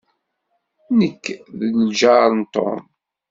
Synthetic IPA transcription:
nəkːðəlʒaɾˤnt̪o̰m

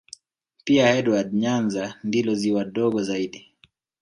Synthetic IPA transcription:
piahɛɗwadɲanzandilɔziwaɗɔɡɔzaiɗi

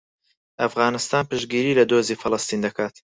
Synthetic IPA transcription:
ʔɐfɣaːnɨst̪aːnpɨʒɡiːɾiːlɐd̪oːziːfɨlɨst̪iːnd̪ɐkʰaːt̪

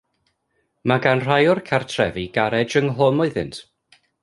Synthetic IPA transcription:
maɡanr̥ajɔrkʰartʰrɛ̰viɡaɾɛd͡ʒəŋɦoːnʊɨðɨ̰ntʰ

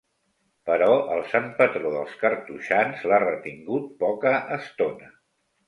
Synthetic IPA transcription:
pəɾɔʔəlˠsampət̪ɾoðə̰lˠskəɾt̪uʃanzlarət̪iŋɡut̪̚pɔkəʔːst̪onə

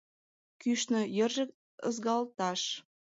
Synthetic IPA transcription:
kyʃnɤ̆jə̆rʒə̆k | ə̰zɣɑlt̪ɑʃ

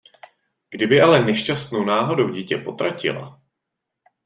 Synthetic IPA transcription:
ɡ̥dɪbɪalɛnɛʃcast̪no̞wnaːɦo̞dowɟiːcɛpo̞t̪ɾacɪ̰la̰

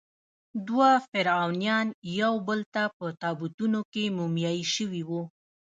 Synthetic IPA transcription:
d̪wafɪɾɑwnjɑnjawbəlt̪apət̪ɑbut̪unokemumjɑjiʃəwiwu

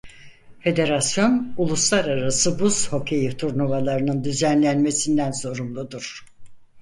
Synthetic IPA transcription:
fe̞d̪e̞ɾasjo̞nulˠuslˠaɾaɾasɯbuz̥ho̞kʰejit̪ʰuɾnuvalˠaɾɯnɯnd̪yzænlʲænme̞sind̪ænso̞ɾumlˠud̪uɾ̥

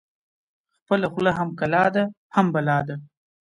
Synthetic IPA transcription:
xpəlaxlaɦamkalɑd̪a | hambalɑd̪a

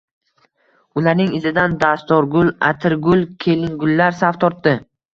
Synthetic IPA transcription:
ʊlaɾnɪŋɪzɪd̪and̪ast̪ɒɾɡʊlˠa̰t̪ʰɪɾɡʊlˠkʲʰe̞lɪŋɡʊlːaɾsaft̪ʰɒɾt̪ːɪ

